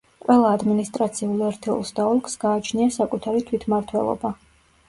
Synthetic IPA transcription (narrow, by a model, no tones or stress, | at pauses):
qʼwʔɛlˠaːd̪minist̪ʼɾat̪sʰiulˠɛɾt̪ʰɛṵlˠsd̪aɔlˠkʼsɡaːt͡ʃʰniasakʼut̪ʰaɾit̪ʰwit̪ʰmaɾt̪ʰwɛ̰lˠɔ̰ba